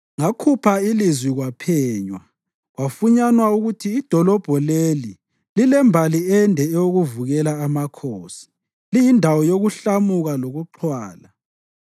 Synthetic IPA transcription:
ŋakʰupʰailizwiɣwapʰɛːɲwa | ɣwafuɲanwauɣutʰiːd̥ʱɔlɔb̥ʱɔleli | lilɛmbʱaliɛndʱɛɛjoɣuvuɣɛlaːmakʰoːsi̥ | lijindʱawɔjoɣuɬamuɣaloɣuǃʰwaːla

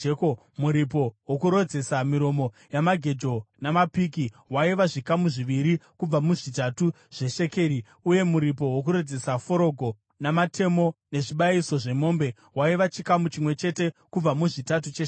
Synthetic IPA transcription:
ko | muɾip̬o̞wokuɾo̞d͡ze̞samiɾo̞mo̞ | jamaɡʱe̞d͡ʒo̞namapiːki | ɦwaiʋaʐikamuʐiʋiɾikub͡vamuʐitatu | ʐ̥e̞ʃe̞ke̞ːɾi | uje̞muɾip̬o̞ɦwok̬uɾo̞d͡ze̞safo̞ɾo̞ɡʱo̞ | namatʰe̞mo̞ne̞ʐiɓaiso̞ʐe̞mo̞ːmbe̞ | ɦwaiʋat͡ʃikamut͡ʃimwe̞t͡ʃe̞te̞kub͡vamuʐitat̬ut͡ʃe

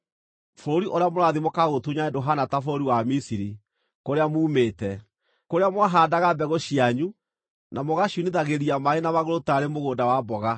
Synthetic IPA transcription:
foɾoɾiʔoɾeamoɾaðimokaɣotuɲaɛndoɦanatafooɾiwamisiɾi | koɾeamuːmeːtɛ | koɾeamwaɦaːdaɣabɛɣoɕiaɲu | nʔamɔɣaɕuneðaɣeɾiamaenamaɣoɾotaɾemoɣoːndawabɔɣa

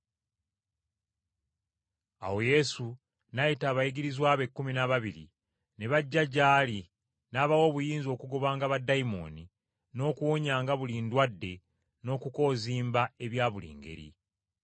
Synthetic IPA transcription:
a̰wo̞je̞su | najitaːβajiɡiɾizwaːβe̞kːuminaβaβiɾḭ | ne̞βaɟːaɟaːli | naːβawo̞ːβujiːnzo̞ːkuɡo̞βaːŋɡaβadaimo̞̰ːni | no̞ːkuwoɲaːŋɡaβuliːndwadːe̞ | no̞ːkuko̞ːziːmbae̞βjaːβulḭːŋɡe̞̰ɾḭ

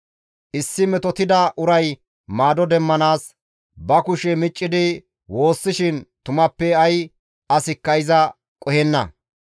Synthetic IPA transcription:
ʔɪsːɪmɛt̪ɔt̪ɪd̪ɐʔʊɾɐj | maːd̪ɔd̪ɛmːɐnaːs | bɐkʊʃɛmɪt͡ʃʼːɪd̪ɪ | wo̞ːsːɪʃɪnt̪ʊmɐpːɛɐj | ɐsɪkːɐjzɐ | kʼɔhɛnːɐ̰

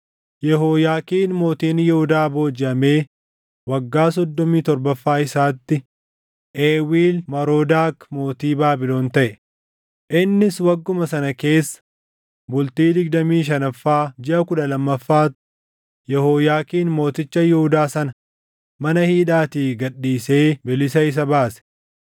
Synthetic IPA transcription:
jɛɦoːjaːkiːnmo̞ːt̪iːnjɛhʊd̪aːbo̞ːd͡ʒɪʔɐme̞ː | wɐɡːaːs̬ɔd̪ːɔmiːt̪ɔɾbɐfːaːɪsaːt̪ːɪ | ʔeːwiːlmɐɾoːd̪aːkmo̞ːt̪iːbaːbɪlo̞ːnt̪ɐʔɛ | ʔɪnːɪswɐɡːʊmɐsɐnɐke̞ːsːɐ̥ | bʊlt̪iːd̪ɪɡd̪ɐmiːʃ̬ɐnɐfːaːd͡ʒɪʔɐkʊᶑɐlɐmːɐfːaːt̪ʊ̥ | jɛhoːjaːkiːnmo̞ːt̪ɪt͡ʃːɐjɛhʊd̪aːsɐnɐ | mɐnɐhiːᶑaːt̪iːfɡɐɗːiːse̞ːbɪlɪsɐɪs̬ɐbaːsɛ̥

